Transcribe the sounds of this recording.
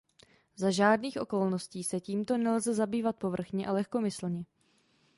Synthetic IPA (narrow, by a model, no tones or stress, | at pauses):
zaʒaːdniːxʔo̞ko̞lnosciːsɛciːmt̪o̞nɛlzɛzabiːvat̪̚po̞vr̩xɲɛʔalɛxko̞mɪsl̩ɲɛ